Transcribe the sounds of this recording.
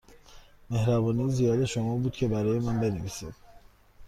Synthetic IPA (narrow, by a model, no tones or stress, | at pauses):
me̞hɾæbɒːnijzijɒːd̪eʃomɒːbuːd̪̥̚cʰe̞bæɾɒːjemænbe̞neviːsid̪̥